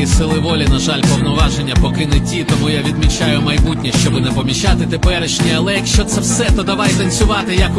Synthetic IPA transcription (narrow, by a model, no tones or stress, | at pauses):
isɪlˠɪʋɔlʲinɐʒalʲpɔwnɔʋɑʒenʲːɐpɔkɪnɪtʲit̪ɔmujaʋʲid̪mʲit͡ʃajʊmɐjbut̚ʲnʲiʃt͡ʃɔbʊnɛpɔmʲit͡ʃat̪ɪt̪epɛɾɪʃnʲiɐlˠɛjɐkʃt͡ʃɔt̪sɛwsɛt̪ɔd̪ɐʋajt̪ɐnʲsʲʊʋɑt̪ɪjɐk